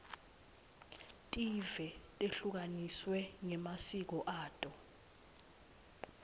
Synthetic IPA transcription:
tʼivɛtʼeɬuk̬aniswɛŋɛmasik̬ɔʔaːtʼɔ

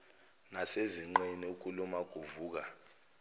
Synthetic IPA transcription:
naseziŋ͡ǃɛnɛuk̬ʼulumaɡ̥ʱuvuːk̬a

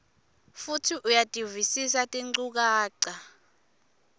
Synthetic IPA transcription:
futʰiʔujatʼivisisatʼiŋ͡ǀuk̬aːǀa

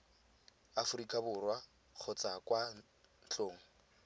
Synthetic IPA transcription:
afʊrikʼabʊrwa | k͡xʰʊt͡sʼakʼwa | n̩t͡ɬʼoːŋ̩

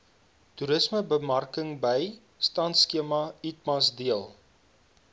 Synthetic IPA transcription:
tuɾəsməbəmɐrkəŋbəj | stɐntskiəmɐit̚mɐsdiəlˠ

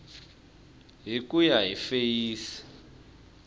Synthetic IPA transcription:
ɦikujaɦifejiːsi̥

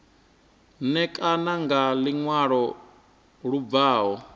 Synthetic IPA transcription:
nɛkʼanaŋɡaliŋwaɺɔ | ɺub̪vaːɦɔ

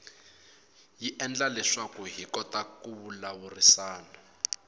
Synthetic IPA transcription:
jiʔɛnd͡ɮalɛʂakuɦikɔtakuβulawurisaːna

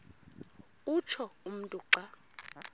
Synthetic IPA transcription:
ut͡ʃʰɔum̩ntʼuǃa

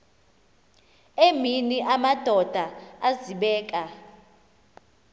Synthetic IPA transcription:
eminiʔamad̥ʱɔd̥ʱaaziɓɛːkʼa

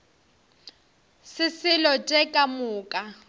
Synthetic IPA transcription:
sɪsɪlɔt͡ʃʼɛkʼamʊːkʼa

